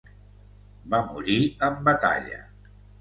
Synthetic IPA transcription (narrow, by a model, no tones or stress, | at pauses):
bamuɾiəmbət̪a̰ʎə̰